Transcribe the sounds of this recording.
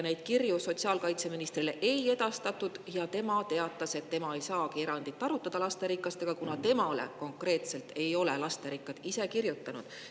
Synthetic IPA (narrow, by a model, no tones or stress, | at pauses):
ne̞jd̪̥kirjuso̞t̪ʲsiɑːlkɑjt̪se̞minist̪rile̞ʔe̞je̞d̪̥ɑst̪ɑt̪ːˑud̪̥jɑt̪e̞mɑt̪e̞ɑt̪ːˑɑse̞t̪ːe̞mɑe̞jsɑːkie̞ɾɑnd̪̥it̪ːɑɾut̪ːˑɑd̪̥ɑlɑst̪e̞ɾikːˑɑst̪e̞ɡ̥ɑkunɑt̪e̞mɑle̞̰ko̞ŋkre̞ːt̪se̞lt̪e̞jo̞le̞lɑst̪e̞ɾikːˑɑd̪̥ise̞kirjut̪ːɑnud̪̥